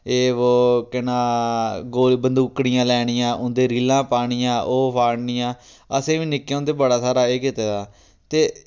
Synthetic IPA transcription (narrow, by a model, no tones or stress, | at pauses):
eːʋoːkɪnãːɡoːbənd̪uːkɽɪjãːlɛːɽ̃ɪjãːʔʊ̃nd̪eːɾiːlãːpaːɽ̃ijãːʔoːpʰaːɽnɪjãː | əsẽːʋĩːnɪkːeõːnd̪eːbəɽaːsaːɾaːeːkɪt̪eːd̪aː | t̪eː